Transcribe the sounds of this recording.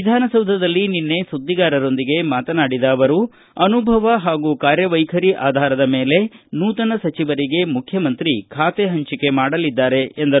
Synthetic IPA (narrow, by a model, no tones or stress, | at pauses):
ʋid̪ʱaːnɐsɐwd̪ʱɐd̪ɐlːininːe̞sud̪ːiɡaːɾɐɾo̞nd̪iɡe̞maːt̪ɐnaːɽid̪ɐːʋɐɾu | ɐnubʱɐʋɐɦaːɡuːkaːɾjɐʋɐjkʰɐɾiʔaːd̪ʱaːɾɐd̪ɐme̞ːle̞nuːt̪ɐnɐsɐt͡ʃiʋɐɾiɡe̞mukʰjɐmɐnt̪ɾikʰaːt̪eɦɐɲt͡ʃike̞maːɽɐlid̪ːaːɾe̞ːnd̪ɐ